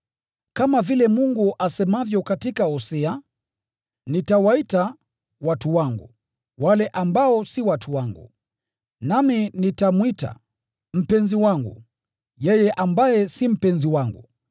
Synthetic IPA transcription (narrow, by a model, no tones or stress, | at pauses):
kamavilɛmuŋɡuʔasɛmavjɔkatikaɔsɛa | nitawaita | watuwaŋɡṵ | walɛʔambaɔsiwatʰuwaŋɡṵ | naminitamwita̰ | m̩pɛnziwaŋɡṵ | jɛjɛʔambajɛsim̩pɛnziwaŋɡṵ